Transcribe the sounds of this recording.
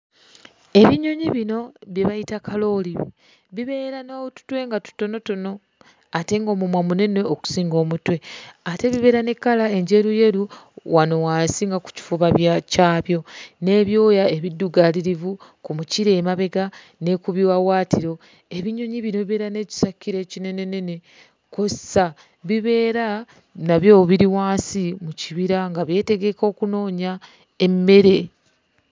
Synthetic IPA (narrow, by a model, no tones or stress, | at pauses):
e̞βiɲoɲiβino̞βjeβajitakalo̞ːli | βiβe̞ːɾanoːtu̥twe̞ːŋɡatu̥to̞no̞to̞no̞ | ate̞ːŋɡo̞ːmumwamune̞nwe̞oku̥siːŋɡo̞ːmutwe̞ate̞βiβe̞ːɾane̞kːalae̞ɲɟe̞ɾuje̞ɾuwano̞waːsiːŋɡaku̥ci̥fuβaβjacaːβjo̞ne̞ːβjo̞ːjae̞βidːuɡaliɾivukumuciɾe̞ːmaβe̞ɡa | ne̞kuβiwawaːtiɾo̞ | e̞βiɲoɲiβino̞βiβe̞ɾane̞ci̥sakːiɾe̞ːcine̞ne̞ne̞ne̞ | kosa | βiβe̞ːɾa | naβjo̞βiɾiwaːnsimuciβiɾaŋɡaβje̞te̞ɡe̞ko̞ːkuno̞ːɲa | emːe̞ɾe̞